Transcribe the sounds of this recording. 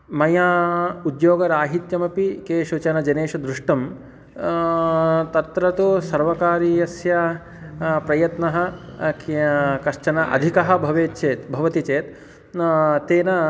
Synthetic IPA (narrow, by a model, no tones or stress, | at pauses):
mɐjaːud̪joːɡɐɾaːɦit̪jɐmɐpikeːʃut͡ʃɐnɐd͡ʒɐneːʃɐd̪ɾuʂʈɐm | t̪ɐt̪ɾɐt̪usɐɾʋɐkaːɾijɐsjɐ | pɾɐjɐt̪nɐɦɐ̆ | kɐt͡ʃɐnɐʔɐ̰d̪ʱikɐɦɐ̆bʱɐʋeːt̪t͡ʃeːt̪bʱɐʋɐt̪it͡ʃeːt̪ | t̪eːnɐ